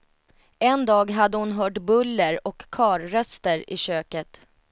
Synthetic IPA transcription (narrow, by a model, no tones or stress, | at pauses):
ɛnd̪ɑːɡɦad̪ːəhʊnɦœːʈbɵlːəɾɔkʰːɑːɾːœst̪əɾɪ̰ɕøːkət̪